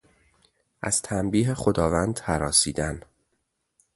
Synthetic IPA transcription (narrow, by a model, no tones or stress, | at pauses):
ʔæ̰z̥t̪ʰæmbiːɦexod̪ɒːvænd̪hæɾɒːsiːd̪æn